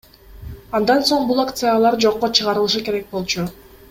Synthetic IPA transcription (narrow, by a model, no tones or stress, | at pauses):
ɑnd̪ɑnso̞ɴbulˠakt̪sɨjalˠɑɾd͡ʒo̞qːot͡ʃʰɯʁɑɾɯlˠɯʃɯke̞ɾek̚bo̞lˠt͡ʃu